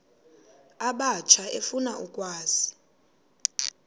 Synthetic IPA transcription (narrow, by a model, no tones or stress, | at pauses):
aɓat͡ʃʰaefunaʔukʼwaːz̥i